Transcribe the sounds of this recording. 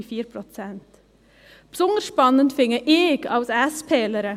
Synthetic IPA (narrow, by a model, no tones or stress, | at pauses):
fiːɾpʰɾɔt͡sɛnt̪ | psʊŋəɾʃpɑnənfɪŋəʔɪɡɑ̰ʊsæspʰeːləɾə